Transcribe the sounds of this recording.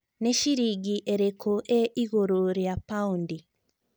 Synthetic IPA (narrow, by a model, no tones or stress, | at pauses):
neʃiɾiɡiʔeɾekʰoʔeʔiɣoɾoɾjapaundi